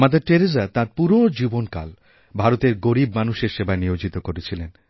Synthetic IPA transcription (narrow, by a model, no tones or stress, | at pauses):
mad̪eɾʈeɾezat̪aɾpuɾod͡ʑibonka̰l | bʱaɾot̪eɾɡoɾibmanuʃeɾʃebaenijod͡ʑit̪okoɾet͡ɕʰilen